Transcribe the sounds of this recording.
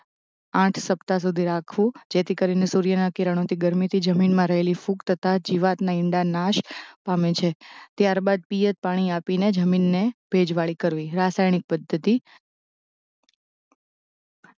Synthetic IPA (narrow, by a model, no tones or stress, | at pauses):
ãʈʰsəpt̪as̬ud̪ʱiɾakʰʋũd͡ʒet̪ʰikəɾinesuɾjənakiɾəɽ̃õt̪ʰiɡəɾmit̪ʰid͡ʒəminmãɾəɦelifukt̪ʰət̪ad͡ʒiʋat̪naɪɳɖanaʃpamẽt͡ʃʰet̪jaɾbad̪̚pijət̪̚paɽ̃iapined͡ʒəminːeb̥ʱed͡ʒʋaɭikəɾʋiɾasajnik̚pəd̪ʱːət̪i